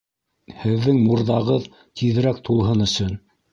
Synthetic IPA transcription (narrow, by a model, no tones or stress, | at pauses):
hɘ̆ðːɘŋmuɾðɑʁɤð | t̪ʰiðɘ̆ɾæk̚t̪ʰulˠɦɤnɵ̆sɵn